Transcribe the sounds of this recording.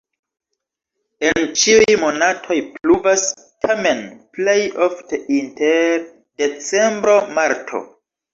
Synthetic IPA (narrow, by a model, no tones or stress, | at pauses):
e̞nt͡ʃiujmo̞natʰo̞jpluvas | tʰame̞nplejofteinteɾ | de̞t͡se̞mbɾo̞maɾtʰo̞̰